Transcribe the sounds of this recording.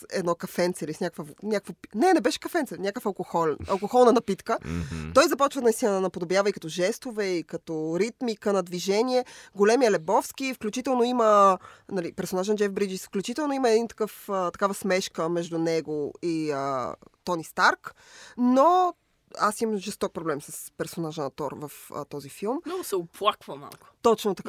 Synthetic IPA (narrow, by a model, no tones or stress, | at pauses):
ɛ̰d̪nɔkɐfɛnt̪sɛilisnʲakkvəvnʲakvopnɛnɛbɛʃɛ̥kɐfɛnt̪sɛnʲakəfɐlˠkoxɔlɛnɐ̰lˠkoxɔlˠnɐnɐpit̪kət̪ɔjzɐpɔt͡ʃvəd̪nɐist̪inəd̪ɐnɐpod̪objavəikɐt̪ɔʒɛst̪ovɛikɐt̪ɔɾit̪mikənɐd̪viʒɛniɛɡolɛmijəlɛbɔfskifklʲut͡ʃit̪ɛlˠnoimənɐlipɛɾsonaʒnd͡ʒɛfbɾid͡ʒisfklʲut͡ʃit̪ɛlˠnoimɐɛd̪int̪ɐ̥kɤfət̪ɐ̥kavəsmɛʃkəmɛʒd̪unɛɡoiət̪ɔnist̪aɾk | no | asimɐmʒɛst̪ɔk̚pɾoblɛmsɐspɛɾsonaʒənɐt̪ɔɾvɐfə̰t̪ɔzifilˠmnɔsɛoplˠakvəma̰lˠkʊ̥t̪ɔt͡ʃnot̪ɐkka